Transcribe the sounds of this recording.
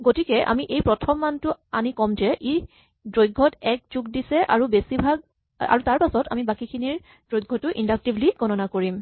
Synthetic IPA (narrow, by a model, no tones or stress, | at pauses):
ɡotikɛʔa̰miʔejpɹɔtʰɔmːantʊanikɔmd͡ʒɛʔi | dɹojɡʱːɔtɛk̚d͡ʒukdisɛʔa̰ɹubesibʱaɡ̚ | a̰ɹutaɹpasɔta̰mibakikʰiniɹ | dɹojɡʱːɔtʊʔindak̚tibliɡʱɔnɔnakoɹim